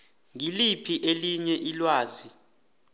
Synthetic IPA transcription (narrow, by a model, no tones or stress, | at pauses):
ŋilipʰiʔeliɲɛʔilwaːzi